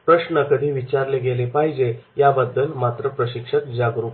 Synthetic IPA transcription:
pɾəɕnəkəd̪ʱiːʋit͡ɕaɾleɡelepaɦid͡ʑejabəd̪ːəlmat̪ɾəpɾəɕikʂək̪̚d͡ʑaɡɾuk

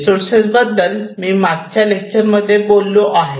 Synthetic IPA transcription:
soɾsesbəd̪ːəlmiːmaɡt͡ɕjalek̚t͡ɕəɾməd̪ʱːjebolːoʔaɦe

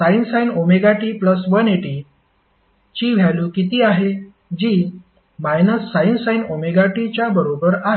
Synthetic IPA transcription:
sainsainomeɡaʈiːpləsʋəneʈiː | t͡ɕiːʋʱjaluːkit̪iːaɦe | d͡ʑiː | majnəsːainsainomeɡaʈit͡ɕjabəɾobəɾaɦe

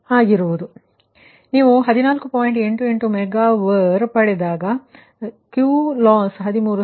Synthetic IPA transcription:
aːɡiɾuʋud̪u | niːʋuɦɐd̪inaːlkupaːjɳʈe̞ɳʈue̞ɳʈumɛɡaːʋɐɾpɐɽed̪aːɡɐ | kjuːlaːnsɦɐd̪imuːɾu

